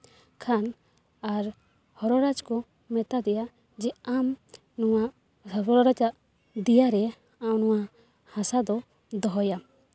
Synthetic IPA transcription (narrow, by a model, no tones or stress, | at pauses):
kʰan | aɾ | hɔɾɔɾad͡ʒkɔ | mɛt̪ad̪ɛja | d͡ʒɛam | nɔwa | ɔɾɔɾad͡ʒa | d̪ɛjaɾɛ | awnɔwa | hãsad̪ɔ | d̪ɔɦɔja